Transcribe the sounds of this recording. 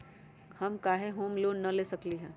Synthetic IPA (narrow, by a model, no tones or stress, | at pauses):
hɐmkaːɦeɦoːmloːnːɐleːsɐkliɦɛ̃ː